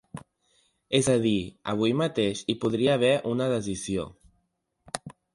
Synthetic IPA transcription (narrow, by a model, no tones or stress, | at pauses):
ezað̞iə̰β̞ujmat̪eʃipuðɾiaːβ̞ɛʔunəðəzizio̰